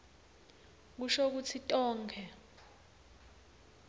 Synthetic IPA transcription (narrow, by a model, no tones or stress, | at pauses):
k̬uʃok̬ut͡sʰitʼɔːŋkʰɛ